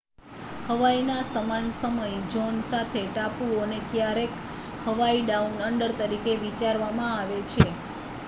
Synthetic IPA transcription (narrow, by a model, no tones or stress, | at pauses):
həʋainasəmansəməjd͡ʒɔnsat̪ʰeʈapuonekjaɾek | həʋaiɖaunəɳɖəɾt̪əɾikeʋit͡ʃaɾʋamãaʋet͡ʃʰe